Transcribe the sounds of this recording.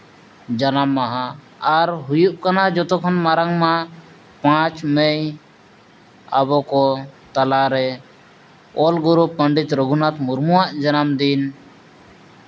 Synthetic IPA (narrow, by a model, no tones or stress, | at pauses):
d͡ʒanamːaɦãː | ɾɦujuʔkanad͡ʒɔt̪ɔkʰɔnmaɾaŋma | pãt͡ʃmɛj | a̰bɔkɔt̪alaɾɛ | ɔlɡuɾupːəɳɖit̪ɾəɡunat̪muɾmuwaʔd͡ʒanamd̪in